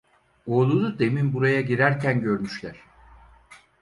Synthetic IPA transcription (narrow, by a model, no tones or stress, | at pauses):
oːlˠunud̪eminbuɾajaɟiɾæɾcʰænɟøɾmyʃlʲæɾ̥